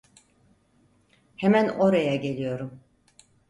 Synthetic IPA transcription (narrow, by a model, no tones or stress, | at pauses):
hemæno̞ɾajaɟe̞lʲijo̞ɾum